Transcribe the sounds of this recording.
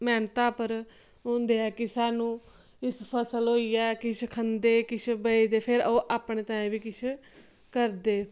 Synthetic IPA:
mɛːnt̪aːpəɾ | ɦõːnd̪eːɛːkɪsaːnũː | ɪspʰəsəlɦoːiːɛːkɪt͡ʃʰkʰənd̪eːkɪt͡ʃʰbəiːd̪eːpʰɪɾoːʔaːpɳeːt̪ãːẽːbiːkɪt͡ʃʰ | kəɾd̪eː

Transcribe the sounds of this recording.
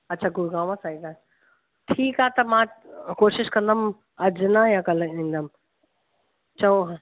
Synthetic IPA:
ɐtːɕʰaːkʊɾɡãːmãsaːik̪aː | ʈʰiːkaːɦet̪ɐmãkoːʃɪʃkɐ̃nd̪əm | ɐd͡ʑnajãkɐlĩːn̆d̪əm | t͡ɕɐõ

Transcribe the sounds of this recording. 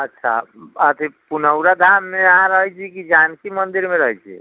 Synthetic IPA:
ətːʃʰa̰ət̪ʰipunəwɾad̪ʱamːeaãɾəɦɛt͡ʃʰikid͡ʒankimənd̪iɾmeɾəɦɛt͡ʃʰḭ

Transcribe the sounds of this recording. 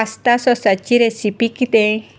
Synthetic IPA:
ast̪asosat͡ʃiɾesipikit̪e

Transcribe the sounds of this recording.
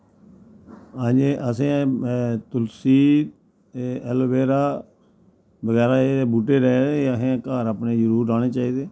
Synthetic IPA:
ãːd͡ʒeːʔəsẽːt̪ʊlsiːt̪ː | ɛlbeːɾaː | bəɡɛːɾaːeebuːʈeːɾɛəsẽːkaːɾapneːd͡ʒəɾuːɾːaːɽeːt͡ʃaːiːd̪eː

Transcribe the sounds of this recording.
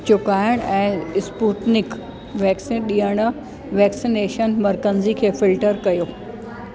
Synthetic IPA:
t͡ɕʊkaːjəɽ̃ɛ̃ːspuːʈnɪk | ʋɛːksinɗiːəɽ̃ʊ | ʋɛːksineːʃənmɐɾkənzikʰeːfɪlʈəɾkɐjoː

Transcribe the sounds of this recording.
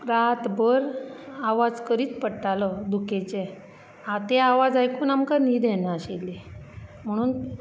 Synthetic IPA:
ɾat̪bəɾaʋad͡zkəɾiːt͡spəɽʈaləd̪uket͡se | at̪eaʋad͡zajkuːnamkaniːd̪ɛnaɕelːem̤əɽ̃uːn

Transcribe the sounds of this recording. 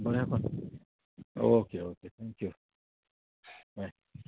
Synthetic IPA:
bɔɾakɔn | o̰okeoket̪ʰɛ̃ŋkju | wajs

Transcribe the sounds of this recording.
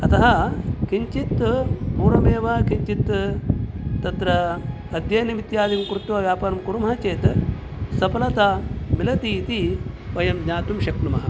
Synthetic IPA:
ɐt̪ɐɦɐkiɲt͡ʃit̪puːɾɐmeːʋɐkiɲt͡ʃit̪ | t̪ɐt̪ɾɐ | ɐd̪jɐnimit̪jaːd̪imkɾut̪ːuʋɐʋjaːpaːɾɐmkuɾumɐɦɐt͡ʃeːt̪ | sɐpɐlɐt̪aːmilɐt̪iːt̪iʋɐjɐmɲaːt̪umʃɐknumɐɦɐ̆

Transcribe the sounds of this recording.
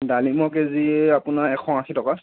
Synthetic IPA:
dalimɔkeziapʊnaɹɛkʰɔ̃axʰitɔka

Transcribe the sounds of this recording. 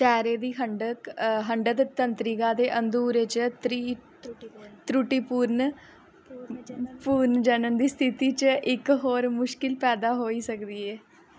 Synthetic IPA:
ʃɛːɾeːd̪iːɦəɳɖəkɦəɳɖət̪t̪ənt̪ɾɪɡãːd̪eːʔənd̪uːɾeːt͡ʃət̪ɾiː | t̪ɾuʈiːpuːɾn | puːɾnd͡ʒənənd̪iːst̪ʰɪt̪iːt͡ʃəɪkɦoːɾmʊʃkɪlpɛːd̪aːɦoːiːsəkd̪iːɛː

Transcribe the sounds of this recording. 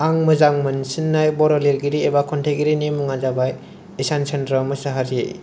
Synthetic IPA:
aŋmɯzaŋmɯnsinːajbɔɾɔleɾɡiɾiebakʰɔntʰeɡiɾinimuŋazabaj | esansʰendɾɔmɯsaɦaɾḭ

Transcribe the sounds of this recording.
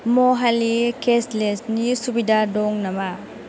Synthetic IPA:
moɦalikeslesnisubidadɔŋnama

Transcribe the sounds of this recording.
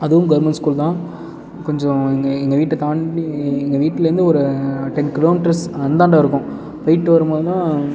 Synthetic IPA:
ɐðɯʋɯmɡɐɾmɛnʈskuːlt̪ãː | kɔɲd͡ʒɔ̃ɛŋɡɐɪŋɡɐʋiːʈːɐt̪aːɳɖiɪŋɡɐʋiːʈːɪlɐɾɯnd̪ɯɔɾɯʈɛnkɪloːmiːʈɐɾsɐnd̪aːɳɖaːɪɾɯkːʊ̃ | pɐɪjɪʈːɯʋɐɾɯmboːðɯnãː

